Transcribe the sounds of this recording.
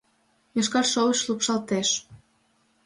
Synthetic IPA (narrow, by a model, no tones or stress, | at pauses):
jɤʃ̬kɑrʃowəʃlupʃɑlt̪eʃ